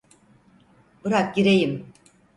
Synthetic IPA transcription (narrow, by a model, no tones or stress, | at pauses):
bɯɾak̚ɟiɾejim